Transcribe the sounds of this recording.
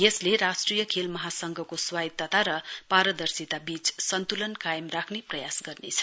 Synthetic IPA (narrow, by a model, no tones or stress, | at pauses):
jesleɾasʈrijʌkʰelmʌɦasʌŋɡʱʌkoswait̪ːat̪aɾʌpaɾʌd̪ʌrsit̪abit͡ssʌnt̪ulʌnkajmrakʰneprʌjasɡʌrnḛt͡sʰʌ̥